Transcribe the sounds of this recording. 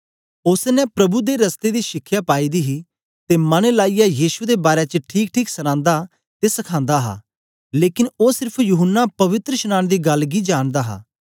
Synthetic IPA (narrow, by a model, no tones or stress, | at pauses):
ʊsnɛ̃pɾɐbud̪eɾəst̪ed̪iːʃɪkʰːjaːpaːiːd̪iːɦiː | t̪eːmənlaːijajiːʃud̪ebaːɾet͡ʃəʈʰiːkʈʰiːksənãːnd̪a | t̪esɐkʰãːnd̪aɦa̰ː | leːkɪnoːsɪɾpʰjʊɦənːapɐʋɪt̪ɾəʃənãːnd̪iːɡɐlɡiːd͡ʒaːɽd̪aːɦa̰ː